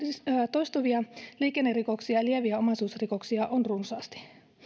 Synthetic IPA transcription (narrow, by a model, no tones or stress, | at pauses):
st̪ojst̪uʋiɑliːkenːeriko̞ksiɑlieʋiæo̞mɑsuːsriko̞ksiɑʔonrunsɑːst̪i̥